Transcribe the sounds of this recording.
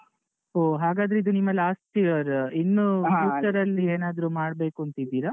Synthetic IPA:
oːɦaːɡaːd̪ɾeid̪unimːɐlaːsʈijɐɾinːuuːʈɐɾɐlːieːnaːd̪ɾuːmaːɽbe̞ːkuɐnt̪id̪ːiːɾa

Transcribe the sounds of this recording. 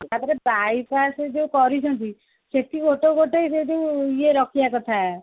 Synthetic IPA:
at̪ɾebaipased͡ʒeũkɔɾisɔ̃nt̪i | set̪ikoʈoɡoʈesed͡ʒeũijeɾɔkijakɔt̪ʰaɛ

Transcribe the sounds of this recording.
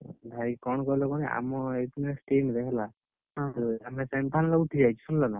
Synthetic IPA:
bʱaɾikɔñkɔilɔkɔnɛa̰mɔet̪nesʈemd̪ɛkʰla | t̪ɔamesɛmpʰanlauʈʰid͡ʒajt͡ʃʰɔ̥sunlɔna

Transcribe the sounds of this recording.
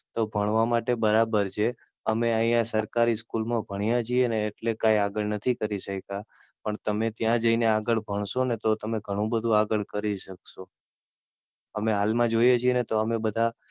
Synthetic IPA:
t̪obʱəɳ̃ʋamaʈebəɾabəɾt͡ʃʰe | əmeəĩjãsəɾkaɾiskulmãbʱəɽ̃ijãt͡ʃʰieneːʈlekajaɡəɭnət̪ʰikəɾiʃəka | pəɳt̪əmet̪jãd͡ʒəineaɡəɭbʱəɳ̃ʃonet̪ot̪əmeɡʱəɽ̃ũbəd̪ʱũaɡəɭkəɾiʃəkʃo | əmeɦalmãd͡ʒojet͡ʃʰienet̪oəmebəd̪ʱa

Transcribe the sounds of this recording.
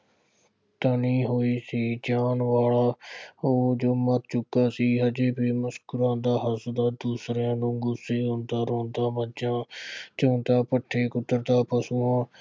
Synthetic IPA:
t̪aniːɦoːiːsiːd͡ʒaːnʋaːɭaːoːd͡ʒoːməɾt͡ʃʊkːaːsiːɦəd͡ʒeːbeːməskʊɾãːd̪aːɦəsd̪aːd̪uːsɾãːnũːɡʊseːõːnd̪aːɾõːnd̪aːməd͡ʒãːt͡ʃõːnt̪aːpəʈʰːeːkʊt̪ːəɾt̪aːpəsuːãː

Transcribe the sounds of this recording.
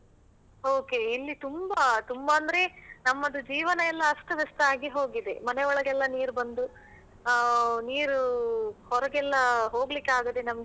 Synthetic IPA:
oːke̞ilːit̪umbat̪umbɐːnd̪ɐɾe̞nɐmːɐd̪ud͡ʒiːʋɐnɐɛlːɐɐsʈ̪ɐʋɛst̪aːɡiɦoːɡid̪e̞mɐneɔɭɐɡɛlːɐniːɾubɐnd̪u | niːɾuhɔɾɐɡɛlːɐɦo̞ːɡlikːaːɡɐd̪enɐmɐɡe

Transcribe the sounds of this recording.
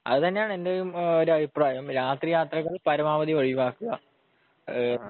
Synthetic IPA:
ɐ̰ðɨt̪ɐnːejaːɳe̞ndejumo̞ɾuɐbʱipraːjɐmɾaːt̪rijaːt̪rɐkːɐðpɐɾɐmaːʋɐðiʋɐɻijuʋaːkːuɣɐ

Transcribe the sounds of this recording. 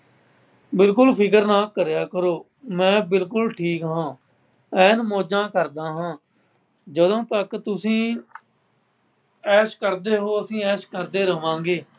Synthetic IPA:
bɪlkʊlpʰɪk̬əɾnaːkːəɾejaːkəɾoː | mɛ̃ːbɪlkʊlʈʰiːkɦãː | ɛːnmoːd͡ʒãːkəɾd̪aːɦãː | d͡ʒəd̪õːt̪əkt̪ʊsĩː | ɛːʃkəɾd̪eːɦoːəsĩːɛːʃkəɾd̪eːɾəʋãːŋɡeː

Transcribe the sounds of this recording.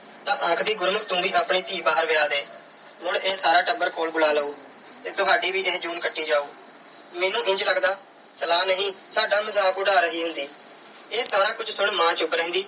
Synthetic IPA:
t̪ãːʔə̃kʰd̪iːɡʊɾməkt̪ũːbiːʔaːpɳiːt̪iːbaːəɾʋɪjaːd̪eː | ɦʊɳeːsaːɾaːʈəbəɾkoːlbʊlaːləuː | t̪eːt̪ʊɦaːɖiːʋiːʔeːd͡ʒuːnkəʈʰːiːd͡ʒaːuː | meːnũːʔɪ̃ɲd͡ʒləɡd̪aː | səlaːnəɦĩːsaːɖaːməzaːkʊɽaːɾəɦiːɦʊ̃nd̪iː | eːsaːɾaːkʊd͡ʒsʊɳmãːt͡ʃʊblɛ̃ːnd̪iː

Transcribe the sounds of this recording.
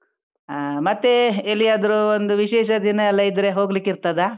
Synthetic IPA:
mɐt̪ːe̞elːiaːd̪ɐɾuond̪uʋiʃeːʃɐd̪inɐɛlːɐid̪ɾe̞ɦo̞ːɡlikːiɾt̪ɐd̪a

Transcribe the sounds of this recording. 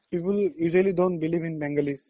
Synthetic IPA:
piːpəljuːʒəliɖõːnʈ̚bɪliːʋɪ̃nbɛ̃ŋɡəlis

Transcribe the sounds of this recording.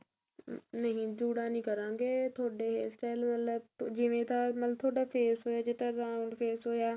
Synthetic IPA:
nəɦĩd͡ʒuːɽaːnĩːkəɾãːŋɡeːt̪ʰoːɽeːɦeːsʈaːɪlmət̪ləb̚d͡ʒɪʋẽt̪ʰaːmət̪l̚t̪ʰːoːɽaːpʰeːsɦoːjaːd͡ʒeːʈaɾãːɳɖfʰeːsɦoːjaː

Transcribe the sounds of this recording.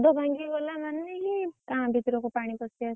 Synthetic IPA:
d̪obʱãŋɡibɔlamanːeɦikãbʱit̪ɾɔkopaɽ̃ipɔsias

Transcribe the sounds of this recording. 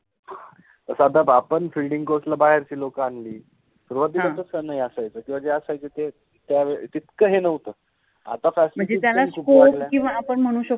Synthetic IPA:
ha | əsad̪ʱabapəɳfilɖiŋɡkoslabaɦeɾt͡ɕiːlokəaɳliː | suɾʋat̪ːilat̪ət͡skənaɦiəsajt͡səːkĩʋad͡ʑeəsajt͡set̪e | t̪jaʋet̪it̪kəɦenəʋt̪əː | a̰t̪afæslm̤əɳd͡zeit̪jalaskʰuːpkoklakĩʋaːpəɳm̤əɽ̃ũːɕək

